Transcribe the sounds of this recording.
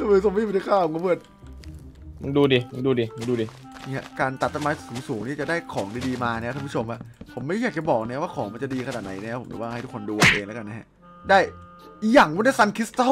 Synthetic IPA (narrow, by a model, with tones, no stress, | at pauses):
m˧˩so˧ma˥˨˧nʰa˧˩kʰaː˥˩o˨˦ŋka˥pʰɯ˥˩ən̚˧˦ | duː˧diː˧˦duː˧diː˧˦duː˧diː˧ | niː˧˥˩a̰˧˩kaː˧nt̪a˨˩t̪ʰːa˧maː˧suː˩˦suː˨˩˦ŋniː˥˩t͡ɕa˨˩daː˥˩jkʰɔː˩˦ŋdiː˧diː˧maː˧nʰː˧˦˥pʰu˥˦o˧mʔa˨˩pʰo˩˦mːa˥˩˦jaː˨˩k̚t͡ɕa˨˩bɔː˨˩k̚nɛ˦˥˦waː˥˩kʰɔː˩˦ŋma˧nt͡ɕa˨˩diː˧kʰa˧naː˨˩t̪na˨˦jna˦˥a˦˥po˩˦mt͡ɕa̰˨˩waː˥˩a˥˩jt̪u˦˥kʰo˧nduː˧a˧˩ʔeː˧ŋla˦˥ka˧nːa˦˥ha˦˧˥ʔ | daː˥˩j | i˧˩jaː˨˩ŋwu˧˥˨da˥˩sa˧nkʰi˦˥st̪a˧˥